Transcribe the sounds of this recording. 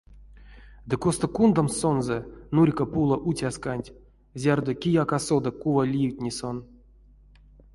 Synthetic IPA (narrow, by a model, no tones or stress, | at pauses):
d̪ɨkost̪okund̪amsonzɛnurʲkapulˠaʔutʲaskanʲtʲ | zʲard̪okʲijakasod̪akuvalʲijwtʲnʲison